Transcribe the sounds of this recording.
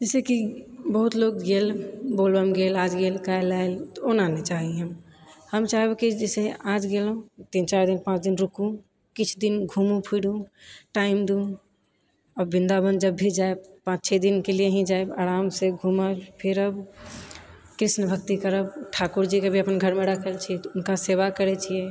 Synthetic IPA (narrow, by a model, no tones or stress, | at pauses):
d͡ʒɛːsekibəɦut̪loɡɡelboːlbəmɡelaːd͡ʒɡelkaelaelonanet͡ʃaːɦiɦəmhəmt͡ʃaːɦebekid͡ʒɛsead͡ʒɡelũt̪int͡ʃaːɾd̪inpãt͡ʃd̪inɾʊkũ | kɪt͡ʃʰd̪inɡʱuːmũpʰiɽũʈaɪmd̪ũ | əbĩnd̪abənd̪d͡ʒəbːid͡ʒaeb̚pãt͡ʃt͡ʃʰed̪inkelijeɦĩd͡ʒaebaɾaːmseɡʱuməpʰiɾəb | kɾɪʃnəbʱək̚t̪ikəɾəbʈʰakuɾd͡ʒikebʱiəpənɡʱəɾmeɽəkʰəlt͡ʃʰiɛt̪ɔʊnkasebakəɾɛt͡ʃʰie